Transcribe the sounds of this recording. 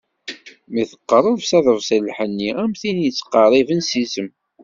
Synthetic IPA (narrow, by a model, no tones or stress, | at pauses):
miθə̥qːərˤəðsæðəvsəlħənːiæmθinjt͡sːə̥qɑɾˤivənsisəm